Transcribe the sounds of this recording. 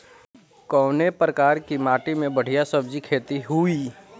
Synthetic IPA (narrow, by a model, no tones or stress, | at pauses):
kɔːnepɾəkaːɾkimaːʈimẽbəɽ̤ijasɐb̚d͡ʒikʰeːt̪iɦui